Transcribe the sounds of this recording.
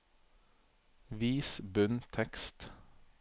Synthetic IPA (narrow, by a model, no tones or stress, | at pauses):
ʋiːsbʉnt̪ʰɛkst̪